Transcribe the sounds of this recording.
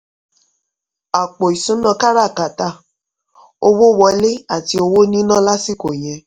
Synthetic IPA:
a˨k͡po˨i˨sũ˨˦nã˧ka˦ɾa˦˨ka˨ta˦˨ | o˧wo˦˨wɔ˨˧le˦a˦˨ti˧o˧wo˦nĩ˦nã˦la˦si˦˨ko˨j̃ɛ̃˨

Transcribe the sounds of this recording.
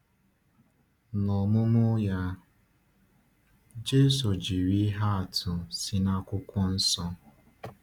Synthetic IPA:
nɔ˨mʊ˦mʊ˦ja˦ | d͡ʒe˦so˨d͡ʒi˨ɾi˦ɦa˦a˨tʰʊ˨si˦na˦kʷʊ˦kʷɔ˦n̩˦sɔ˦

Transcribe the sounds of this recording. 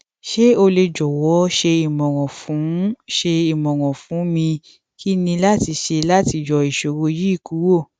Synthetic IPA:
ʃe˦o˧le˧d͡ʒɔ˨wɔ˨˦ʃe˧i˨mɔ̃˨wɔ̃˨fũ˨˦ʃe˧i˨mɔ̃˨wɔ̃˨fũ˨˦mĩ˧ | ki˦nĩ˧la˦ti˧ʃe˧la˦ti˧d͡ʒɔ˨i˨ʃo˨wo˧ji˦i˦˨ku˨˦wo˦˨

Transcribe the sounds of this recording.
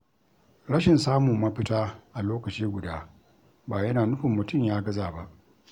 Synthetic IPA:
ɽɐ˦ʃɪ˨nsaː˦mʊ˨mːɐ˦ɸɪ˦taː˦ʔa˨loː˦kɐ˨t͡ʃiː˦ɡʷʊ˨daː˦ | baː˨jɐ˦naː˨nʊ˦ɸʊ˨mːʊ˨tʊ˦˨mjaː˦ɡɐ˦zaː˨ba˦ʔ

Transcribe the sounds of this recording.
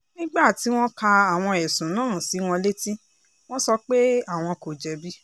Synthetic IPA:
nĩ˦ɡ͡ba˦˨ti˨˦w̃ɔ̃˦ka˧a˨w̃ɔ̃˧ɛ˨sũ˨˦nãː˦˨si˨˦w̃ɔ̃˧le˦ti˦ | w̃ɔ̃˦sɔ˧k͡pe˦a˦˨w̃ɔ̃˧ko˨d͡ʒɛ˨˦bi˦

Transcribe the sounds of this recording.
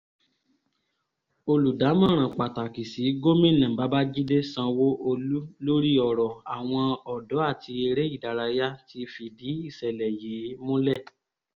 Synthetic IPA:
o˧lu˨da˨˦mã˦˨ɾ̃ã˨k͡pa˨ta˨ki˨si˨˦ɡo˦mĩ˦˨nã˨ba˨˦ba˦d͡ʒi˦de˦sã˧wo˦ʔo˧lu˦lo˦ɾi˦ɔ˨ɾɔ˨a˨w̃ɔ̃˧ɔ˨dɔ˨˦a˦˨ti˧e˧ɾe˦i˦˨da˨˧ɾa˧ja˦ti˧fi˨di˨˦i˦˨sɛ˨lɛ˨jeː˨˦mõ˦lɛ˦˨

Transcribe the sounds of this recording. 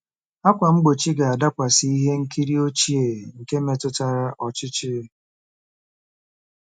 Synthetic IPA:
a˦kʷa˨ŋ͡m̩˦ɡ͡bo˨t͡ʃi˦ɡa˨a˨da˦kʷa˨si˦i˦ɦe˦ŋ̩˦ki˦ɾi˦o˦t͡ʃi˦e˨ŋ̩˨ke˦me˨tʊ˦ta˦ɾa˦ʔɔ˨t͡ʃɪ˦t͡ʃɪ˦

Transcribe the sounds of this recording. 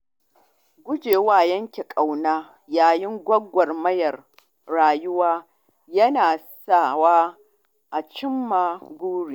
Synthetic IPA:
ɡʷʊ˦d͡ʒeː˨waː˦˨jɐ˦ŋkʲe˨kʼa˨wnaː˦ | jaː˨jɪ˦ŋɡʷɐ˦ɡʷɐ˨rmɐ˦jɐ˨r | ɽaː˨jʊ˦waː˦ | jɐ˦naː˨saː˦˨waː˦ | ʔa˨t͡ʃɪ˦mːaː˨ɡʷuː˦ɽiː˨

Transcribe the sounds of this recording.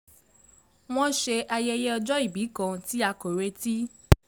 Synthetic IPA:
w̃ɔ̃˦ʃe˧ʔa˧jɛ˦˧je˦ɔ˧d͡ʒɔ˦i˦˨bi˨˦kã˧ti˦a˧ko˨ɾe˧˦ti˦

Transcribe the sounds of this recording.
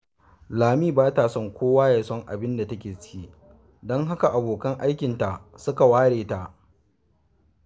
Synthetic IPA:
laː˨miː˦baː˦taː˨sɔ˦ŋkʷoː˦waː˦jaː˨sɔ˦ŋʔa̰˨bɪ˦nda˨tɐ˦kʲeː˨t͡ʃiː˦ | dɔ˦ŋɦa˦ka˨ʔa˨boː˨kɐ˦ŋʔa˦jkʲɪ˨nta˨sʊ˦ka˨waː˦ɽeː˨ta˨ʔ

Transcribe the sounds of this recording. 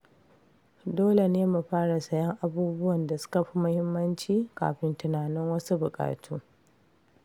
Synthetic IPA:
doː˦le˨neː˦mu˨ɸaː˦ɽa˨sɐ˦jɐ˦ŋʔa˨buː˦bʊ˦wɐ˨nda˨sʊ̥˦kɐ˨ɸi˦mʊ˦hɪ˦mːɐ˦nt͡ʃiː˦ka̰ː˨ɸɪ˦ntʊ˨naː˨nɪ˦ŋwɐ˦su˦bʊ˨kʼa̰ː˨tʰuː˦

